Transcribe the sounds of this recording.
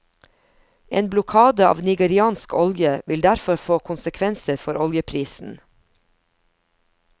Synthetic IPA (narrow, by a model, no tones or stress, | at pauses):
ʔeːnblʊkʰɑːd̪əɑ̰ːʋnɪɡəɾɪɑːnskɔljəʋɪld̪æɾfɔɾfoːkʰʊnsəkʰʋɛnsəɾfɔɾɔljəpʰɾiːsn̩